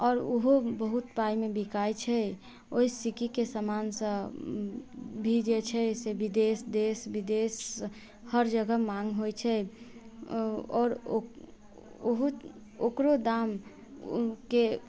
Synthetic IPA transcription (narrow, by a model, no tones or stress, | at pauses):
ɔːɾuɦobəɦut̪paimebikajt͡ʃʰɛ | oisikikesəmansə̃ | bʱid͡ʒet͡ʃʰɛsebid̪esd̪esbid̪es | həɾd͡ʒəɡəmaŋɡɦojt͡ʃʰɛ | ɔːɾo | oɦu | okɾod̪am | ke